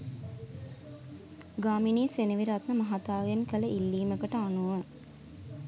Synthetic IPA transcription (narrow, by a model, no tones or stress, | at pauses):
ɡaːminiːseniʋiɾat̪nəmɐɦat̪aːɡenkələʔilːiːməkəʈəanuʋə